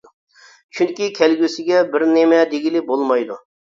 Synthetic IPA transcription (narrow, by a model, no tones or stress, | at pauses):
t͡ʃʰyŋkʲikʲʰɛlɡʲysɪɡʲɛbɪɾnemɛd̪eɡʲilɪbolˠmɑjd̪u